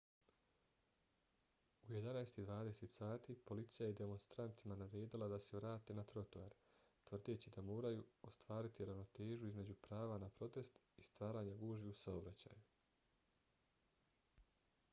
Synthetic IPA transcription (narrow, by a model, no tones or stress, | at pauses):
uje̞d̪anaest̪id̪ʋaːd̪e̞se̞t̪saːt̪ipo̞lit̪sijajed̪e̞mo̞nst̪ɾant̪imanaɾeːd̪ilˠad̪ase̞ʋɾaːt̪e̞nat̪ɾo̞t̪oaɾt̪ʋr̩d̪et͡ɕid̪amo̞ːɾajuost̪ʋaːɾit̪iɾano̞t̪eːʒjuizme̞d͡ʑupɾaːʋanapɾo̞t̪e̞st̪ | ist̪ʋaːɾaːɲaɡuːʒiusaobɾat͡ɕa̰ːju